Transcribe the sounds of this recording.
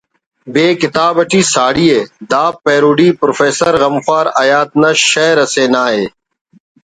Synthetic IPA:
beːkɪt̪aːbɐʈʰiːsaːɽiːeːd̪aːpːeːɾuːɖiːpɾofeːsəɾɣɐmfaːɾɐjaːt̪̚nɐʃeːɾɐseːnaːɦeː

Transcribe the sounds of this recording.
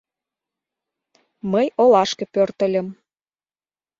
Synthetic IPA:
məjolɑʃkə̆pørt̪ə̆lʲə̆m

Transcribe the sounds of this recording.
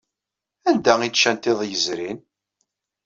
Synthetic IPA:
ænd̪æit͡ʃːænt̪eðˤjəzɾin

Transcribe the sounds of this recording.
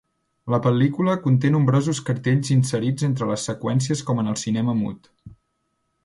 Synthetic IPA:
ləpəlikuləkunt̪̬enumbɾozuskəɾt̪eʎzinsəɾid͡zent̪ɾələsːəkwɛns̬iəskɔmənəlˠsinɛməmṵt̪

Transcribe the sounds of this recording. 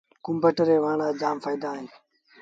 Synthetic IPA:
kʊmbəʈəɾeːʋaːɳaːd͡ʒaːmfaːid̪aːɦẽː

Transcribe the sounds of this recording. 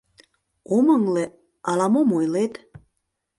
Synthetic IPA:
oməŋle | ɑlɑmomojlet̪

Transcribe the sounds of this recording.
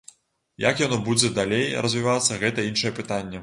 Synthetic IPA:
jakjanɔbud͡zʲɛd̪alʲejrɐzʲvʲivat̪sːɐɣɛt̪ɐinʂɐjɛpɨt̪anʲːɛ

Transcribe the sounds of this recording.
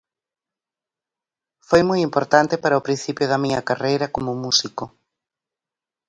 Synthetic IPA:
fojmojimpoɾt̪ant̪epaɾɐopɾĩn̟θipjʊðɐmiɲɐkarejɾɐkomʊmusiko

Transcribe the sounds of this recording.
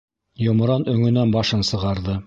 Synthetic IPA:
jŏm̆ɾɑnɵ̆ŋɵ̆nænbɑʃɤnsɤ̆ʁɑɾðɤ

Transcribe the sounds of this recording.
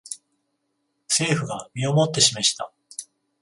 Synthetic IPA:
se̞ːɸɯ̟ɡamʲio̞mo̞t̪ːe̞ɕimeɕi̥t̪a̰

